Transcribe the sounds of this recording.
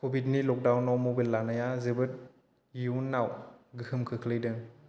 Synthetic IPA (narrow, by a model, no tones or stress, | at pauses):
kʰobʱitnilɔk̚dawnawmobilːanajazɯbɯt̚ | juwnːawɡɯhɯmkʰɯkʰlɯjdɯŋ